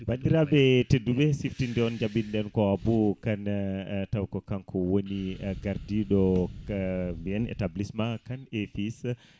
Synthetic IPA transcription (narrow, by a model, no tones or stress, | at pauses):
badiɾabɛtedːuɓɛsiftindɛɔnd͡ʒaɓinɗɛnkɔabukantawkɔkankʰɔwoniɡaɾdiɗɔ | mbijɛnɛ̰tablismakanefis